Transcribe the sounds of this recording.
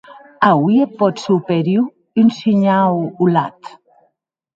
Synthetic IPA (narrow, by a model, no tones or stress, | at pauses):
awiepːɔt̪supeɾiw | ynsiɲawula̰t̪